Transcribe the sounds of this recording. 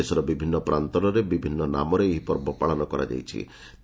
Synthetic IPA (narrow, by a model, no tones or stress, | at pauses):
esɔɾɔbibʱinːɔpɾʔant̪ɔnɔɾebibʱinːɔna̰mɔɾeeɦipɔɾbɔpaɭɔnɔkɔɾa̰d͡ʒa̰jt͡ʃʰḭ | t̪